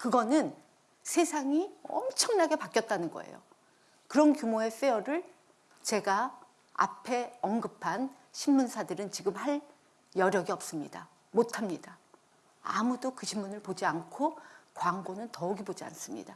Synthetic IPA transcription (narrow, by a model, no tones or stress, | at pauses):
kɯɡʌnɯn | sʰe̞sʰaŋiʌ̰mt͡ɕʰʌŋnaɡe̞pak͈jʌt̚t͈anɯnɡʌ̰ḛjo̰ | kɯɾʌnkjumoe̞f͈eʌɾɯɭ | t͡ɕe̞ɡa | a̰pʰe̞ʌŋɡɯpʰan | ɕʰinmunsʰadɯɾɯnt͡ɕiɡɯmhaɭ | jʌɾjʌɡiʌp̚s͈ɯmɲida | motʰamɲida | a̰mudokɯɕʰimmunɯɭpod͡ʑiankʰokwaŋɡonɯntʌuɡibod͡ʑia̰ns͈ɯmɲḭda